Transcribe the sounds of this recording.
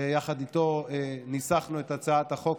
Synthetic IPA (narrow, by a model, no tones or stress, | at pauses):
ejaχad̪it̪o̞enisaχnuet̪at͡saat̪aχo̞k